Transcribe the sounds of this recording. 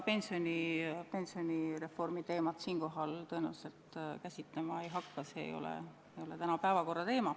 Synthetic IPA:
pe̞nsio̞nʲipe̞nsio̞nʲiɾe̞fo̞rmit̪e̞ːmɑt̪siːnko̞ɦɑlt̪ɤ̞enæwselt̪kæsʲit̪le̞mɑejɦɑkːɑseḛjo̞̰lḛ | ejo̞let̪ænɑpæevɑko̞rːɑt̪e̞ːmɑ

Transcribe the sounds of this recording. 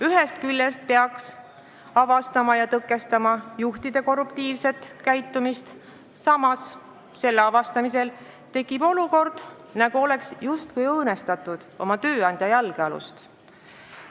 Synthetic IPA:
yɦe̞st̪̚kylːest̪̚peɑks | ɑvɑst̪ɑmɑjɑt̪ɤkˑːe̞st̪ɑmɑjuht̪id̪̥e̞ko̞rːupt̪iːvse̞t̪kæjt̪ːˑumist̪ | sɑmɑs | se̞lːeɑvɑst̪ɑmise̞l | t̪e̞kːˑib̥o̞luko̞rd̪̥ | nɑɡ̥uo̞le̞ksjust̪̚kujɤːne̞st̪ɑt̪ːud̪̥o̞̰mɑt̪ø̞ːɑnʲd̪jɑjælɡ̥eɑlṵst̪

